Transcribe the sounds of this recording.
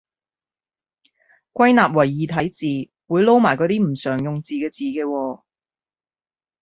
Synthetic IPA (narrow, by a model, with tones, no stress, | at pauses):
kʷwɐ˥jnaː˨p̚wɐ˨˩jːiː˨t̪ʰɐ˨˥jt͡siː˨ | wuː˨˧jlo˥wmaː˨˩jkɔː˨˥t̪iː˥m̩˨˩sœː˨˩ŋjʊ˨ŋt͡siː˨˧kɛː˧t͡siː˨kɛː˧wɔː˧